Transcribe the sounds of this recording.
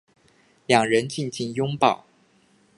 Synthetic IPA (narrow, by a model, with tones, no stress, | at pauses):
ljɑ˨˩ŋɻə˧˦nt͡ɕi˥˧nt͡ɕi˥˩ŋjʊ˥ŋpɑ˨˩˦ʊ